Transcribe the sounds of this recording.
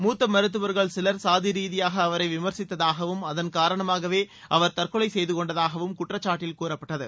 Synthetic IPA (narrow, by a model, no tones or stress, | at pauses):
muːt̪ːɐmɐɾɯt̪̬ːɯʋɐɾɣɐɭsɪlɐɾsaːðɪɾiːðɪjaːɣɐːʋɐɾɐɪʋɪmɐɾsɪt̪ːɐðaːɣɐʋɯmɐðɐnkaːɾɐɳɐmaːɣɐʋeː | ʔɐʋɐɾt̪ɐrkɯɭɐɪsɛjðɯkɔɳɖɐðaːɣɐʋɯmkʊʈrɐt͡ʃːaːʈːɪlkuːrɐpːɐʈːɐðɯ̰